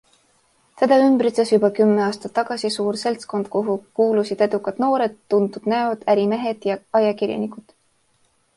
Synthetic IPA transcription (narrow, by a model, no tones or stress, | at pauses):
t̪e̞d̪̥ɑymb̥ɾit̪sesjubɑkymːeɑːst̪ɑt̪ːɑɡ̥ɑsisuːɾse̞lt̪sko̞nd̪̥̚koɦukuːlusid̪̥e̞d̪̥ukːˑɑt̪no̞ːɾe̞d̪̥ːund̪ud̪̥næod̪̥æɾime̞ɦe̞d̪̥jɑɑjɑkiɾjɑ̰nikud̪̥